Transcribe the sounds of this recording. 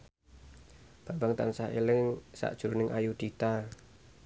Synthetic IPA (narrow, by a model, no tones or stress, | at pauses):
b̥ambaŋt̪ansaḛlɪŋsa̰ʔd̥ʒ̥uɾunɪŋʔajud̪̥it̪a